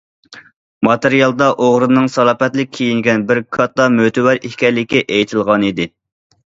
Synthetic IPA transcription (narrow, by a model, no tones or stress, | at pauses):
mɑt̪eɾijɑlˠd̪ɑʔoʁɾɨnɨŋsɑlˠɑːpɛt̪lɪk̚ʲʰːijiŋɡʲɛnbɪɾkʰɑt̪ːɑmøt̪ʰɪwæɾihkʲɛɾlːɪkʲːɛʔejt̪ʰɪlˠʁɑnid̪ɪ